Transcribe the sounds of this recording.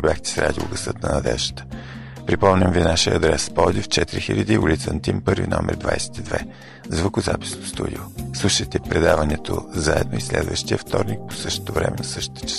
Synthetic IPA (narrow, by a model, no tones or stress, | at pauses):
bʲjaxt̪ɛ̥sɾʔad̪ʲioɡəsɤt̪nɐnɐd̪ɛʒə̥t̪ə̥ | pɾipɔmnʲəmvinaʃiəːd̪ɾɛspɔd̪ʲift͡ʃɛt̪iɾixilʲəd̪iulʲit̪sənt̪impɤɾvʲinɔmʔɛɾd̪va̰jsɛ̥t̪id̪vɛ | zvəkʊzapi̥snost̪ṵd̪ʲioslˠuʃəjt̪ɛpɾɛd̪avənɛt̪ʰozaɛd̪noislɛ̰d̪vəʃt̪iəft̪ɔɾnik̚po̥sɤʃt̪o̥t̪ovɾɛmɛnɐsɤʃt̪o̥t̪ə̥t͡ʃ